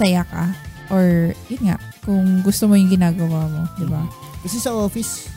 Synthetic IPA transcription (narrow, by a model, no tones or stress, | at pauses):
sɐjakɐ̰ʔoɹjʊnŋa̰ʔkʊŋɡʊst̪omojʊŋɡɪnaːɡɐwaːmo̞d̪ɪba | kɐsɛsɐʔoːfɪs